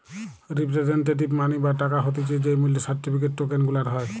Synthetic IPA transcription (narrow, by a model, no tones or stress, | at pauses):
ɾipɾezenʈeʈ̬ibmanibaʈakaɦot̪it͡ʃed͡ʒejmulisaɹʈipʰiketːokenɡulaɾɦɔj